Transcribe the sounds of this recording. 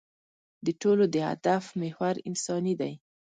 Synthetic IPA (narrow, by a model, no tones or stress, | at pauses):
d̪əʈolod̪əha̰d̪afmehwaɾɪnsɑnid̪aj